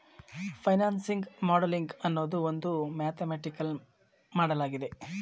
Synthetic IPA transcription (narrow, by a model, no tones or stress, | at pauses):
pʰɐjnaːnsiŋɡmɔːɽɐliŋɡɐnːoːd̪uond̪umaːt̪ʰemeːʈikɐl | maːɽɐlaːɡid̪e̞